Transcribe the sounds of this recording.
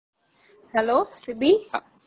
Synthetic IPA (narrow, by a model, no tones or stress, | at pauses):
hɛlosɪbi